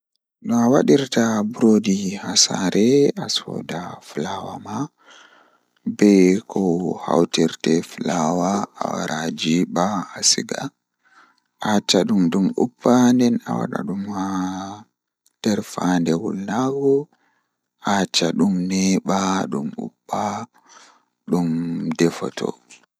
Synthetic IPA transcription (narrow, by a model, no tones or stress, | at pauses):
ɗɔawaɗiɾtabuɾodihasaɾʔɛasɔ̰ːdaflawama | bɛkʰɔha̰wtiɾtɛflawaa̰wa̰ɾad͡ʒiɓahasiɡa̰ | ʔat͡ʃaɗumɗumupʰːandɛna̰wa̰ɗa̰ɗuma | d̥ɛɾfandɛwulːaɡɔ | ʔat͡ʃːaɗumnɛɓaɗumṵpːa | ɗumdɛfɔ̰tʰɔ̰